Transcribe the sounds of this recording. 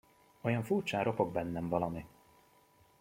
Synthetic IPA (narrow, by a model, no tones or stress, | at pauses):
ojɒɱfurt͡ʃaːɾo̞po̞ɡ̚bɛnːɛɱvɒlɒmi